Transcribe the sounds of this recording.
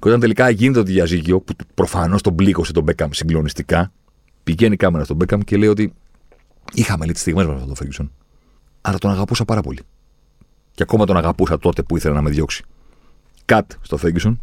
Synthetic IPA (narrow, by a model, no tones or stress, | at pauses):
ceo̞t̪ɐnt̪e̞likɐʝinet̪et̪̬iðɐzicio̞pupɾo̞fɐno̞st̪o̞bliɣo̞set̪o̞be̞kɐmsiŋɡlo̞nist̪ikɐ | piʝe̞nikɐmenɐst̪o̞be̞kɐmce̞le̞io̞t̪i | ixɐmelit̪i̥st̪iɣme̞zmɐsɐft̪ot̪ofeɟiso̞n | ɐɾɐt̪o̞nɐɣɐpusɐpɐɾɐpo̞li | ceɐko̞mɐt̪o̞nɐɣɐpusɐt̪o̞t̪e̞puiθe̞lɐnɐme̞ðʝo̞ksi̥ | kɐt̪st̪ofeɟison